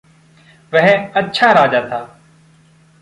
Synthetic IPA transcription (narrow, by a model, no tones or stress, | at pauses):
ʋɛɦətːʃʰaːɾaːd͡ʒaːt̪ʰaː